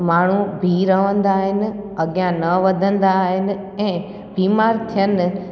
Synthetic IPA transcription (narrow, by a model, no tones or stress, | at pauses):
maːɳ̤ubʱiːɾəʋə̃nd̪aːɦɪnɪ̆ | ɐɠjãnəʋəd̪ʱə̃nd̪aɦɪnɪ̆ | ɛ̃ː | biːmaɾt̪ʰijən